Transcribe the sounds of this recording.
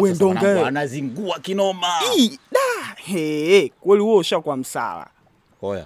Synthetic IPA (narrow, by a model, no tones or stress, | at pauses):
wɛndɔŋɡɛanaziŋɡuakinɔmaiɗahɛkwɛliuɔʃakwam̩sa̰la̰ | ɔja̰